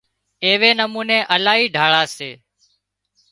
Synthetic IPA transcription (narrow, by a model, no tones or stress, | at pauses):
eːʋeːnəmuːneːʔəlaːiːɖʱaːɭaːseː